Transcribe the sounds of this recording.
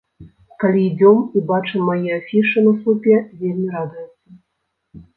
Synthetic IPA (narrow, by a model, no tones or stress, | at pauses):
kalʲiːd͡zʲɔmibat͡ʂɨmːajɛafʲiʂɨnɐsˠupʲɛvʲelʲmʲiɾad̪ujɛt̪sːɐ